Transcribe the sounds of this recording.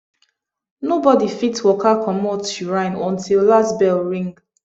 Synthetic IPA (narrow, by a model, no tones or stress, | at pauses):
nobɔdifitwɔkakʰɔmotuɹãɪ̃nɔ̃ntʰilːasbɛlɹĩŋɡ